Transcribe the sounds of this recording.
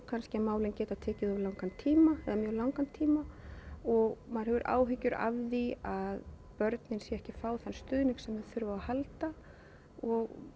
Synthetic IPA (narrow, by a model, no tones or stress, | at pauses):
kʰanscɪamaːwlɪncɛːt̪at̪ʰɛːcɪðɔvlawŋkant̪ʰːiːmaɛ̰ðamjœːɣlawŋkant̪ʰiːmaɔɣmaðɾhɛvʏɾʔa̰ːwɦʏcːʏɾa̰vðiað | pœɾt̪nɪnsjɛɛhcɪfaːwθanst̪ʏːðnɪŋksɛmvɛðθʏɾvaahalt̪a | ɔɣ